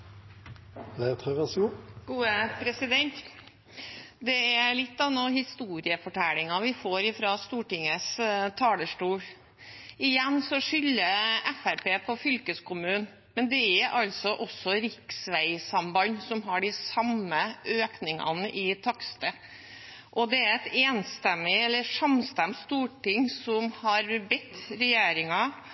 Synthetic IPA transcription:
d̪æt̪ʰœʁəsuɡ̥uːəpʰɾɛsɪd̪ɛnt̪ | d̪ɛæɭɪt̪ːɑnɔhɪst̪uːɾɪəfɔʈʰælɪŋɑʋɪfoːɾɪfɾɑst̪uːʈɪŋəst̪ʰɑːləʂʈuːl | ɪjɛnːsɔʂʏlːəɛfæɾpeːpʰɔfʏlkəskʊmʉːn | mɛnd̪ɛæʔɑlsɔʔɔsɔɾɪksʋæɪsɑmbɑnsɔmɦɑɖɪsɑməʔøːknɪŋɑ̰nəʔɪt̪ʰɑkst̪ə | ʔɔd̪ɛæɾɛt̪eːnst̪ɛmːɪɛlːəʂɑmst̪ɛmt̪st̪uːʈɪŋsɔmhɑɾbɛt̪ːɾɛjeːɾɪŋɑ

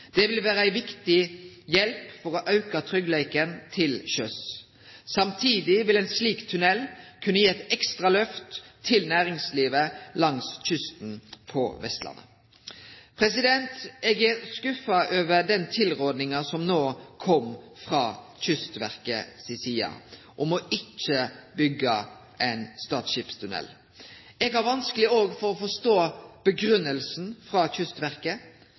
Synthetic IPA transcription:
d̪̥ɛʋɪlʋæːɾəæɪʋɪkt̪ɪjɛlpfɔʁoʔɑʉkɑt̪ʰʁʏɡlɛɪkənt̪ʰɪlɕœs | sɑmt̪ʰiːd̪ɪʋɪlɛɪnsliːkt̪ʰʉnɛlkʰʉnːəjiːɛt̪ɛkst̪ʁɑlœft̪ʰːɪlnæːʁɪŋsliːʋəlɑŋsc͡çʏst̪n̩pʰɔ̰ʋɛ̰st̪lɑ̰nːə̰ | pʰʁɛsɪd̪ɛnt̪ɛɡɛskʉfɑʔøːʋəɖ̪ɛnt̪ʰɪlʁoːd̪nɪŋɑsɔmnoːkʰɔm | fʁɑːçʏst̪ʋæ̰ʁkə̰sɪsiːɑ̰ | ʔɔmɔʔɪt͡ʃːəbʏɡːɑ | ʔɛɪnst̪ɑːt̪ʃɪpst̪ʰʉnɛ̰l | ɛːɡhæɾʋɑnskəlɪoːɡfɔɾɔfɔʂt̪oːb̥əɡɾʉnːəlsn̩fɾɑçʏst̪ʋæʁkə

